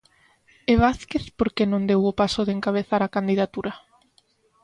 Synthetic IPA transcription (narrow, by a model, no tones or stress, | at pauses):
eβ̞aθkeθpoɾkenõnd̪ewʊpasʊðeŋkaβ̞eθaɾakand̪iðat̪uɾɐ